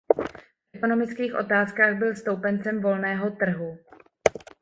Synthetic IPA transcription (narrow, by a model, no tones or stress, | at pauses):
fʔɛkono̞mɪt͡skiːxʔo̞̰t̪aːskaːɣbɪlst̪o̞wpɛnt͡sɛmvo̞lnɛːɦo̞t̪r̩ɦu